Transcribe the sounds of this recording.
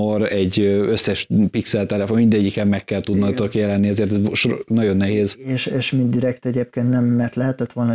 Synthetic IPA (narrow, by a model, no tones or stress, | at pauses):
oɾɛɟːøøsːɛʃpiksɛlt̪ɛlɛfonmind̪ɛɟːikɛmːɛkːɛlt̪ud̪nɒt̪okjɛlɛnːiɛzeːrt̪ɛzʃonɒɟo̞nːɛɦeːzeːʃeːʃmind̪iɾɛkt̪ɛɟeːp̚keːnt̪nɛmːɛrt̪lɛɦɛt̪ɛt̪ʋo̞lnɒ